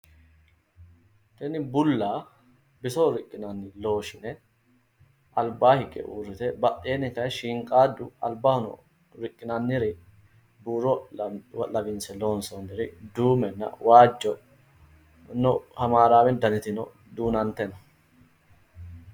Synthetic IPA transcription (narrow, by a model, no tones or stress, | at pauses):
t̪ɛnɪbʊlːaː | bɪsoɾɪkʼːɪnɐnːɪlo̞ːʃɪnɛ | ʔɐlbaːhɪkʼːɛ̰ʔṵːrːɪt̪ɛbɐʔeːnɪkɐjʃiːŋkʼaːd̪ːʊɐlbahʊnɔ̰ | ɾɪkʼːɪnɐnːɪɾɪ | buːɾɔwɐlɐbɪnsɛlo̞ːnsɔnːɪɾɪd̪uːmɛnːɐ̰waːd͡ʒːɔ | nɔhɐmaːɾaːwɛnd̪ɐnɪt̪ɪnɔ | d̪uːnɐnt̪ɛnɐ